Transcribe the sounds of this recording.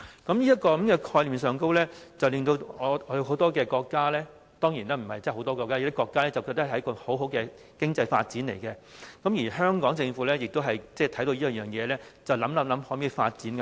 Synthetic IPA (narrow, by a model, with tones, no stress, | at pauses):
kɐ˨˥mjiː˥jɐ˥t̚kɔː˧kɐ˨˥mkɛː˧kʰɔː˧jliː˨msœː˨ŋko˥wlɛː˥t͡sɐ˨wlɪ˨ŋt̪o˧wɔː˨˧ɔ˨˧˥jɦo˨˥t̪ɔː˥kɛː˧kɔː˧kːaː˥lɛː˥ | t̪ɔː˥ŋjiː˨˩nɛː˥m̩˨˩hɐ˨jt͡sɛː˥˩ho˨˥wt̪ɔː˥kɔː˧kaː˥˨˩t̪ɐ˥kɔː˧kːaː˥lɛː˥t͡sɐ˨wkːtɐ˥˨˩hɐ˨˦˥kɔː˧ho˨˥wɦo˨˥wkɛ˧ | kɪ˥ŋt͡sɐ˧jfa̰ː˧t̚t͡siː˨˥nle˨˩jkɛ˧kɐ˨˦˥mjiː˨˩ɦœː˥ŋkɔː˨˥ŋt͡sɪ˧ŋfuː˨˥lɛː˥jɪ˨k̚t̪o˥wɦɐ˨jt͡sɛː˥˩t̪ʰɐ˨˥jt̪o˧jiː˥ɐ˨˧jœː˨˩ŋjɛː˨˧lɛː˥t͡sɐ˨wlɐ˨˥mlɐ˨˥mlɐ˨˥mhoː˨˥miː˧fa̰ː˧t̚t͡siː˨˥nkɐ˧